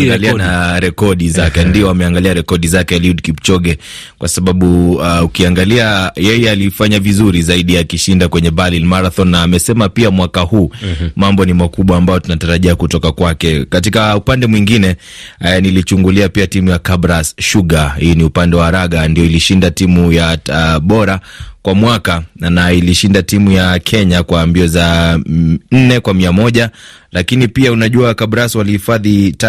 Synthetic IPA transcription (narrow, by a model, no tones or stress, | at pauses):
ɡalianaɾɛkɔɗizakɛndiɔamɛaŋɡaliaɾɛkɔɗizakɛliudkipt͡ʃɔɡɛ | kwasaɓaɓuaukiaŋɡaliajɛjɛalifaɲavizuɾizaiɗiakiʃindakwɛɲɛbalilmaɾaθɔnːaːmɛsɛmapiamwakahuːmambɔnimakuɓwaːmbajɔtunataɾaʄiakutɔkakwakɛkatikaupandɛmwiŋɡinɛnilit͡ʃuŋɡuliapiatimujakabɾasʃuɠahiːniupandɛwaaɾaɠandijɔiliʃindatimujaɓɔɾakwamwakanailiʃindatimujakʰɛɲakwambiɔza | n̩nɛkwamiamɔʄalakinipiaunaʄuakabɾaswalihifaðita